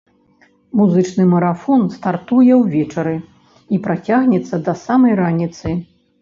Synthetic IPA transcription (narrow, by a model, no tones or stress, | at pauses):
muzɨt͡ʂnɨmɐɾafɔnst̪art̪ujɛwvʲɛt͡ʂɐɾɨ | ipɾat͡sʲaɣnʲɛt̪sːɐd̪ɐsamɐjranʲit̪sɨ